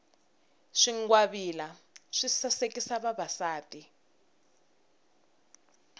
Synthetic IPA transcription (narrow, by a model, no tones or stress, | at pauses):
ʂiŋɡwaβilaʂisasekisaβaβasaːtʼi